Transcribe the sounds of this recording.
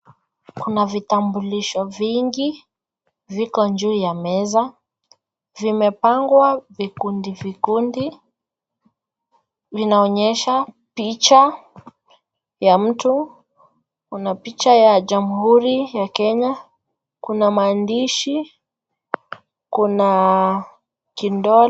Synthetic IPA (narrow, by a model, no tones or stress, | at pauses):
kunavitambuliʃɔviŋɡi | vikɔɲd͡ʒuːjamɛza | vimɛpaŋɡwavikundivikundi | vinaɔɲɛʃa | pit͡ʃa | jam̩tu | kunapit͡ʃajaʄamuhuɾijakɛɲa | kunamaːndiʃi | kuna | kindɔ